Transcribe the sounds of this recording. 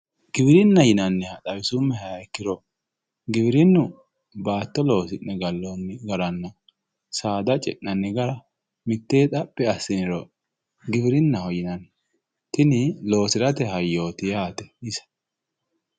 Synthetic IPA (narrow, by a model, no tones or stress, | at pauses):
ɡɪbɪɾɪnːɐjɪnɐnːɛhɐt̪ɐβɪsʊmːɛhɐjaɛkːɪɾɔ | ɡɪbɪɾɪnːʊ | baːt̪ːɔlo̞ːsɪnːɛɡɐlːonːɛɡɐɾɐnːɐ | saːd̪ɐt͡ʃʼɛ̰ʔnɐnːɛɡɐɾɐ | mɪt̪ːeːt̪ʼɐpʼːɛɐsːɪnɪɾɔ | ɡɪbɪɾɪnːɐhɔjɪnɐn | t̪ɪnɪlo̞ːsɪɾɐt̪ɛɦɐjːoːt̪ɪjaːt̪ɛ̥ɪsɐ̥